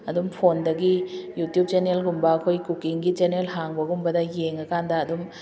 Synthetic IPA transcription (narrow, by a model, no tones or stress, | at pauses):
ɐdumpʰondɐɡijutjub̚t͡ʃenelɡumbɐːkʰojkukiŋɡit͡ʃenelɦaŋbɐɡumbɐdɐjeŋɐkandɐːdum